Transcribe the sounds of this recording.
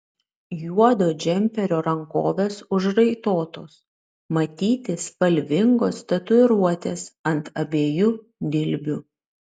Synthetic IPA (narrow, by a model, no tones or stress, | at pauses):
juɔd̪oːd͡ʒʲɛmʲpʲɛɾʲoːɾɐŋkoːʋʲeːsʊʒɾɐɪt̪oːt̪oːs | mɐt̪ʲiːt̪ʲɪspɐlʲʋʲɪŋɡoːst̪ʲɐt̪ʊɪɾuɔt̪ʲeːsɐnt̪ɐbʲeːju | d̪ʲɪlʲbʲʊ